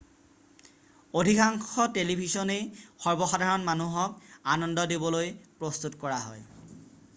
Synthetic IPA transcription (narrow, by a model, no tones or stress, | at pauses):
odʱikaŋxɔtelibʱisɔnexɔɹbɔxadʱaɹɔnmanuɦɔkanɔndɔdebɔlojpɹɔst̪utkɔɹaɦɔ̰j